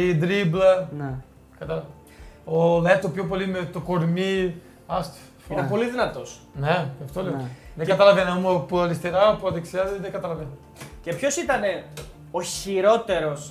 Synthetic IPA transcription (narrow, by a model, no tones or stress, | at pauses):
id̪ɾiblɐne | kɐt̪ɐlɐ | olet̪opço̞p̬olimet̪okoɾmi | ɐst̪i̥ | foinepo̞liðinɐt̪o̞s | neɐft̪oleoðeɡɡɐt̪ɐlɐvenomopuɐɾist̪eɾɐpuɐnðeksiɐzeðeŋɡɐt̪ɐlɐven | ce̞pço̞sit̪ɐne̞ | oçiɾo̞t̪e̞ɾo̞s